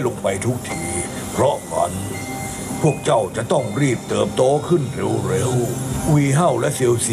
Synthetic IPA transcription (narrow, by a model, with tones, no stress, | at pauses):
lo˧ŋpa˧jt̪ʰu˦˥k̚t̪ʰiː˧˩ | pʰɾɔ˦˥wa̰˧n | pʰu˥˩ək̚t͡ɕa˥˩wt͡ɕa˨˩ʔt̪ɔ˥˩ŋɾiː˥˩p̚t̪ɤː˨˧m̚t̪oː˧˥kʰɯ˥˩nɾe˧wɾe˧˥wʔwiː˧ɦa˥˩wlɛ˦˥ʔse˧wsi˧